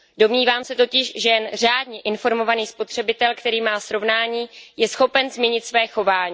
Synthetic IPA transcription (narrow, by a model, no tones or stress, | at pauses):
do̞mɲiːvaːmsɛt̪o̞cɪʃʒɛjɛnr̝aːdɲɛʔɪnfo̞ɾmo̞vaniːspo̞t̪r̥ɛbɪt̪ɛlkt̪ɛɾiːmaːsɾo̞vnaːɲiːjɛsxo̞pɛnzmɛɲɪt̪svɛːxo̞vaːɲiː